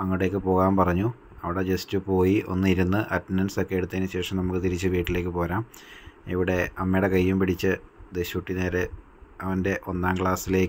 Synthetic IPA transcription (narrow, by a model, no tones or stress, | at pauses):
ɐŋːɐɽe̞ːkːɨpo̞ːɣaːmpɐrɐɲːu | ɐʋiɽe̞d͡ʑestɨpo̞ːjiʔo̞̰nːɨiɾunːɨʔɐtminɐnso̞kːe̞eɽut̪ːenɨɕe̞ːʂɐmnɐmukːɨt̪iɾit͡ɕːɨʋiːʈːile̞ːkːɨpo̞ːɾaːm | iʋiɽe̞ɐmːejɽe̞kɐjːumpiɽit͡ɕːɨd̪eɕuːʈːine̞ːɾe | ɐʋɐnde̞ʔo̞nːaːmkɭaːsile̞ːk